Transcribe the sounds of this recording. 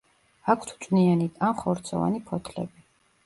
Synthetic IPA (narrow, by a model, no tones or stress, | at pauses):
akʷʰt̪ʰu̥t͡ʃʼnianit̪ʰamχɔɾt̪sʰɔ̰va̰nipʰɔt̪ʰlɛ̰bi